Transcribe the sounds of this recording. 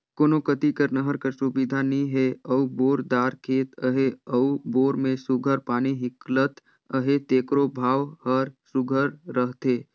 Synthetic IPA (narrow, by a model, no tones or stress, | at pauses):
koːnokət̪ikəɾnəɦəɾkəɾsubɪd̪ʱanəɦĩɦɛɐuboːɾd̪aːɾkʰeːt̪əɦeəuboːɾmẽsʊɡʱəɾpaːniɦɪklət̪ | əɦet̪eːkɾobʱaːʋhəɾsʊɡʱəɾːəɦt̪eː